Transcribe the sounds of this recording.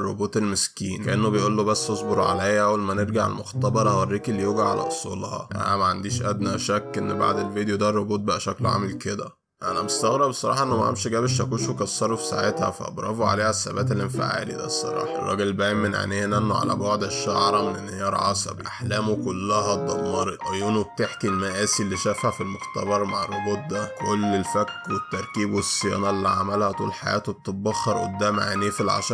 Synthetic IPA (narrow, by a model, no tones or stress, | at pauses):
rˤːobuːt̪elmeskiːnkæʔenːobejʔuːlːobæsːʔosˤboɾˤʕa̰læjæʔæwelmæneɾɡaʕḛlmoxt̪ɑbɑɾˤʔæwerːiːkelːijoɡaʕa̰lʔæ̰ʔosˤolhɑ̰ʔæ̰næmæʕand̪iːʃʔæd̪næʃækːʔenːba̰ʕd̪elvid̪ejod̪ærːˤobuːt̪̚bæʔæʃæklʕa̰ːmelked̪æ | ʔænæbest̪æɣɾɑbsˤɑɾˤɑ̰ːħɑʔenːomæʔa̰mʃiɡæːbeʃækuːnʃwekɑsːɑɾˤofi̥saʕet̪hæ̰fæ̰ʔɑ̰bɾˤɑ̰boʕa̰leːhæsːæbæːt̪̬elʔenfḛʕa̰ːlḭd̪æ̰sˤːɑ̰ɾˤɑ̰ːħɑrˤːɑ̰ɡelbæːjmːenʕa̰neːhenʔenːoʕa̰læ̰boʕd̪eʃːaʕɾˤɑmenenːhejɑɾˤʕɑ̰sˤɑ̰bḭʔaħlæːmokolːæɦæd̪ˤːɑmːɑɾˤʕojuːnob̚t̪eħkilmæʔæːsilːiʃæfaʕfilmoxt̪æbɑɾˤmaʕrˤːoboːt̪̚d̪ækolːelfækːwet̪ːɑɾˤkiːbwesːejɑ̰ːnɑʔlːiʕamælhæt̪ˤuːlelħajæ̰ːt̪wt̪ːˤebːɑxːɑɾˤʔo̰d̪ːæːmʕeniːfilʕa̰ʃ